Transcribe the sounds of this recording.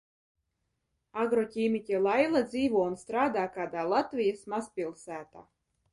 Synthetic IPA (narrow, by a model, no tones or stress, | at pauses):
aɡɾɔcʲiːmʲitʲalˠajlˠad̪ziːvuɔunst̪ɾaːd̪aːkaːd̪aːlˠat̪vʲijasmaspʲilˠsæːt̪aː